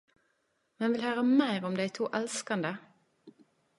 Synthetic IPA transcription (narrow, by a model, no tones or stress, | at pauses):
mɛnʋɪlhøːʁəmæɪʁɔmd̪æɪt̪ʰuːʔɛlskɑnd̪ə